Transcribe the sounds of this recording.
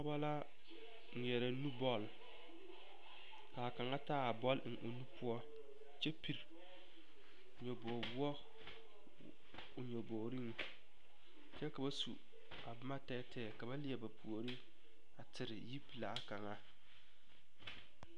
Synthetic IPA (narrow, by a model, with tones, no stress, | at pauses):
ɔ˦ba˦la˦ | ŋ̩˨ɲɛ˨ɾa˨nu˦bɔ˦˨l | ka˨a˨ka˨ŋa˦taː˦a˨bɔ˦ln˨ʔo˨nu˦pʰʊ˦ɔ˦ | t͡ʃɛ˦pi˨ɾ | ɲɔ˨bo˨bu˦ɔ˦ | ʊ˨ɲɔ˨boː˨ɾi˦ŋ˨ | t͡ʃɛ˦ka˨ba˦sṵ˨ | a˨bma˦tɛː˦tʰɛː˨ka˨ba˦lɪ˦ɛ˨ba˨pʰu˨o˨ɾi˦ | a˨tɪ˨ɾɪ˨ji˦pla˨a˦ka˨ŋa˦